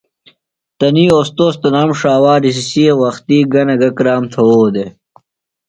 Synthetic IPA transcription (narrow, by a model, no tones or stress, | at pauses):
t̪ɐniːoːst̪oːst̪ɐnaːmʂaːwaːɾis̬isiewɐxt̪iːɡɐnɐɡɐkɾaːmt̪ʰɐwoːd̪e